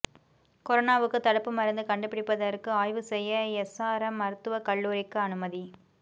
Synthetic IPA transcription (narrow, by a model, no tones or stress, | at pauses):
kɔɾɐnaːʋɯkːɯt̪ɐɽɐpːɯmɐɾɐnd̪ɯkɐɳɖɯpːɪɽɪpːɐðɐɾkːɯaːjʋɯsɛjːɐɛsaːɾɐmːɐɾɯt̪ːɯʋɐkɐɭːuːɾɪkːɯɐnɯmɐði